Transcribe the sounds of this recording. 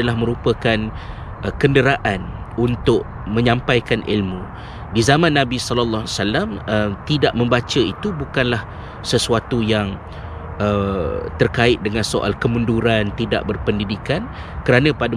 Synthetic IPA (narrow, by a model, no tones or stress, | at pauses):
alahmə̃ɾupəkan | əkəndəɾaʔanunt̪ʊʔ̚ | mə̃ɲãmpajkanʔḭlmũ | dizamãnːãbisɔləlːɔɦsalamət̪idaʔmə̃mbat͡ʃəit̪ubukanlah | səsuat̪ujaŋ | ət̪ərkaɪt̪̚dəŋãnsoʔa̰lkəmunduɾant̪ida̰ʔbərpəndidikan | kəɾanə̃pada